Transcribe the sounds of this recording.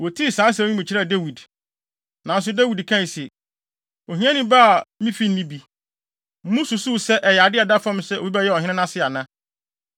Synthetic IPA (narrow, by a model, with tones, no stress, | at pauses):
wɔ˨tʰi˦˨sã˨˦sa˨˦mĩ˦mĩ˨t͡ɕʰɪ˦ɾɛ˦˨de˦wi˨d | nã˨n˦s̬ʊ˦da˦wi˨dkʰã˦˨sɛ˨ | ɔ˨ɦĩ˦ɛ̃˦nʊ̃˦ba˦a˨mĩ˦fi˦n̩˨nĩ˦bi˨ | m̩˦mũ˦su˨su˦˨sɛ˦ʔɛ˨jɛ˨a˨dɪ˦a˨da˦fã˦msɛ˦o˨bi˦bɛ˦jɛ˦ɔ˨ɦɪ̃˦ɪ̃˦nã˦sɪ˦a˨nã˦